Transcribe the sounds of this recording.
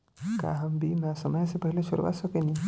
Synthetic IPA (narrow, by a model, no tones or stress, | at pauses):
ka̰ɦəmbʱimãsəməjsepəɦileʃʊɾʋa̰səkenĩ